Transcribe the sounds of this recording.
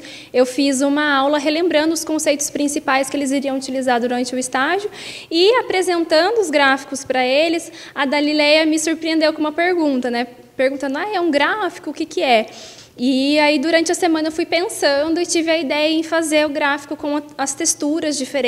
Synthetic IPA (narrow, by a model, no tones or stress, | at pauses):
ewfizũmɐawlɐɦelẽmbɾɐ̃nd̪ʊskõsejt̪ʊ̥spɾĩsipajskɪelɪziɾiɐ̃w̃ut͡ʃilizaɾd̪uɾɐ̃nt͡ʃɪʊɪst̪aʒjʊɪapɾezẽnt̪ɐ̃nd̪ʊʊzɡɾafi̥kʊspɾɐelɪs | ɐɡ̪alilɛjɐmɪsuɾpɾiẽnd̪ewkõũmɐpeɾɡũnt̪ɐnɛ | peɾɡũt̪ɐ̃nd̪ʊajɛũɡɾafi̥kʊːkɪkɪɛ | ɪaid̪uɾɐ̃nt͡ʃɪɐsemɐ̃nɐefujpẽsɐ̃d̪ʊɪt͡ʃivɪɐid̪ɛjɐẽfazeɾʊɡɾafi̥kʊkõw̃ɐɐst̪est̪uɾɐzd͡ʒifeɾẽ